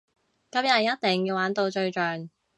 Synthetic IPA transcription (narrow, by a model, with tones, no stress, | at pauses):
kɐ˨˥mjɐ˨jɐ˥t̚t̪ɛ˨˩ŋjiː˧waː˨˥nt̪o˧wt͡ʃɵ˧ɥt͡ʃœː˨ŋ